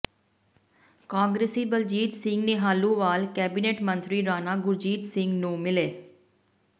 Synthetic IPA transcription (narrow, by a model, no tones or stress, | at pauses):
kãːŋɡɾeːsiːbəld͡ʒiːt̪sɪŋɡneːɦaːlũːʋaːlkɛːbiːneːʈmə̃nt̪ɾiːɾaːnaːɡʊɾd͡ʒiːt̪sɪŋɡnũːmɪleː